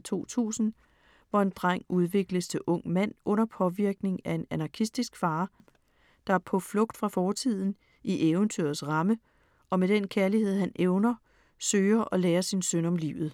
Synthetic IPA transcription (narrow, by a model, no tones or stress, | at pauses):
t͡sʰo̝̰ːt͡sʰṵːsn̩ | ʋɒe̝nd̥ʁɑŋ̰uð̞ˠʋe̝ɡ̥ləst͡sʰe̝ʔɔ̽ŋ̰mæn̰ɔ̽n̰ɐpʰɒ̽ʋiɐɡ̥ne̝ŋæe̝nænɑ̈kʰisd̥isɡ̥fɑ̈ː | d̥ɑ̈æɐpʰɒ̽flɔ̽ɡ̥̚d̥fʁɑ̈fɒːt͡sʰið̞̰ˠn̩ | iʔeːʊənt͡sʰyɐsʁɑ̈mə | ʔɒ̽med̥enkʰæɐlihe̝ð̞̰ˠhænʔeʊnɐ | søːɐʔɒ̽leːɐsinsœnɒ̽mlḭʊð̞̩ˠ